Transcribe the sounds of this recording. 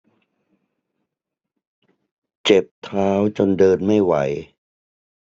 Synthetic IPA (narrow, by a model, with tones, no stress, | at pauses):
t͡ɕe˨˩p̚t̪ʰaː˦˥wt͡ɕo˧ndɤː˧nma˥˩jwa˨˩˦j